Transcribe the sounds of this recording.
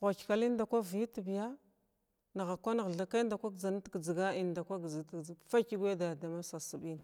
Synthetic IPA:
ɣʷa˨kka˨li˦n˦da˨kʷa˦vi˦tbi˨ja˦ | na˨ɣa˨kʷa˦na˨ɣɮa˨kda˨kʷa˦ɡd͡za˨n˦tɡd͡zi˨ɡa˦i˦˨nda˨kʷa˦ɡd͡ztfa˦ki˦ɡʷe˦da˨da˨ma˦sa˨su˨bi˦n˨

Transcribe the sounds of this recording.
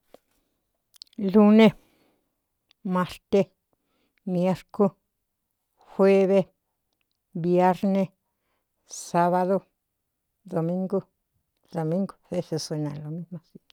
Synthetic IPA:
lu˦ne˦ | ma˧ɾt̪e˦ | mje˦ɾko˦ | xwe˦βe˦ | bje˦ɾne˦ | sa˦βa˧ðo˧ | d̪o˨mĩ˦ŋɡo˦ | d̪o˨mĩ˦ŋɡo̥˧βe˦se˧se˧nã̰˨lo˨mi˦mõ˧si̥˧

